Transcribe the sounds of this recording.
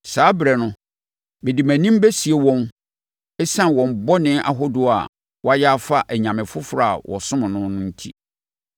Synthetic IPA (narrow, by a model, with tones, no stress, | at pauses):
saː˨˦bɾɛ˨nʊ̃˦ | mɪ̃˨di˨mæ̃˨nĩ˦m˦be˦si˨e˦wɔ̃˦n | ɛ˦sã˦˨wɔ̃˨m̩˨bɔ˦nɪ̃˦ʔa̰˨ɦɔ˦dʊ˨a̰˨ | wa˦jɛ˦a˦fa˦ʔæ˨ɲã˨mɪ̃˨fʊ˦fɾa˨a̰˨wʔɔ̰˨sʊ̃˦mʊ̃˨nʊ̃˦nʊ̃˦n̩˦tʰḭ˦